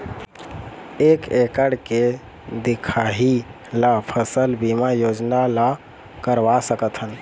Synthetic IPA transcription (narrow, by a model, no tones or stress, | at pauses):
ekekəɽke | d̪ikʰaɦi | lapʰəsəlbimajod͡ʒnala | kəɾʋasəkət̪ʰɦən